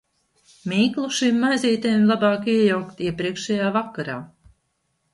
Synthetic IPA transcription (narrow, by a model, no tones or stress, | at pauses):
miːklˠuʃimːajziːt̪ajmlˠabɑːkiɛjawkt̪iɛpɾiɛkʃɛjaːvakːaɾa̰ː